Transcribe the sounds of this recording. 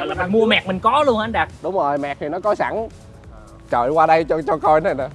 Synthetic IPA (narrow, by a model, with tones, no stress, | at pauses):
ɔ˧˨laː˨˩mi˨˩mu˧əmɛ˨˩k̚mï˨˩ŋ̟kɔ˨˦lu˧ənʔa˧nɗaː˨˩k̚ɗʊ˨˦ŋ͡mzo˨˩jmɛ̰˨˩t̪ʰi˨˩nɔ˨˦kɔ˨˦sa̰˧˩ŋ | t͡ɕə̰ː˧˨jkwaː˧ɗə˧jt͡ɕɔ˧t͡ɕɔ˧kɔ˧jna˨˩na˨˩